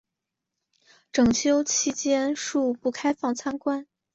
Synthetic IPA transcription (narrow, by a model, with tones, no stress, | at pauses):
ʈ͡ʂɤ˨˩ŋt͡ɕʰjo˥ʊt͡ɕʰi˥t͡ɕjɛ˥nʂu˥˧pu˥˩kʰa˥ɪfɑ˥˩ŋt͡sʰa˥nkwa˥n